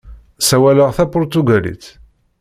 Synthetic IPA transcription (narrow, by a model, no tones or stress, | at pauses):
sæwæləʁθæpʊɾt̪uɡælḭθ